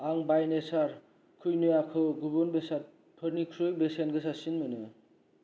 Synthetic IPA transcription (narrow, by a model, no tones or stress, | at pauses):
aŋbajnesaɾ | kʰujnɯjakʰɯɡubɯnbesat̚ | pʰɯɾnikʰɾɯjbesenɡɯs̬asinmɯnɯ